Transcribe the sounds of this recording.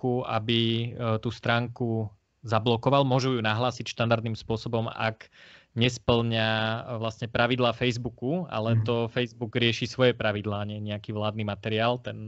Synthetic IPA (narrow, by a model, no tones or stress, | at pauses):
uʔabit̪uːst̪ɾaːŋku | zablɔkɔʋalmʊɔʒujunaɦlaːsicʃt̪and̪aɾd̪nimspʊɔsɔbɔma̰k | ɲɛspl̩ɲaʋlasɲɛpɾʔaʋid̪laːfɛjzbukua̰lɛt̪ɔfɛjzbuɡɾɪɛʃiːsʋɔjɛpɾaʋid̪laːɲɛɲɛakiːʋlaːd̪nimat̪ɛɾiaːlt̪ɛn